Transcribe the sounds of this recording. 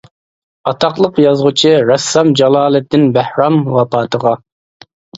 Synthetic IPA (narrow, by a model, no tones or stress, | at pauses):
ɑt̪ʰɑqlˠəqjɑzʁʊt͡ʃʰɨɾɛsːɑmd͡ʒɑlˠɑːlˠɛt̪ːɪnbæhɾɑmwɑpɑːt̪ʰəʁɑ